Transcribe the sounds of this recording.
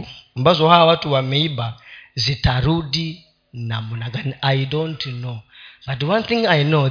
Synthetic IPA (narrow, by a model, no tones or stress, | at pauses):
mbazʷɔɦawatuwameibazitʰaɾudi | namunaɡanajdõntʰnob̥at̬wãnθĩŋajno